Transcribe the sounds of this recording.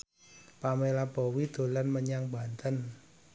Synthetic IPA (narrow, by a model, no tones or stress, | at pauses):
pamelab̥ɔwid̪̥o̤lanməɲaŋba̤nt̪ən